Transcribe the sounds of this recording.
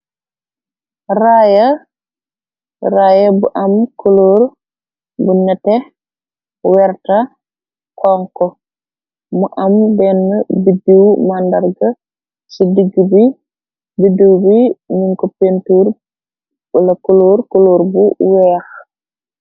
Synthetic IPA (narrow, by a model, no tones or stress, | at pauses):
rajɐ | rajɐbuʔɐmkoloːɾ | buɲɐtɛ | wɛɾtɐ | kɔŋkɔ | muʔɐmdɛnːəbidiwmandɐɾɡɐ | sidiɡəbi | bidiwbiɲiŋkɔpentuːɾ | bulɐkoloːɾkoloːɾbuwɛːx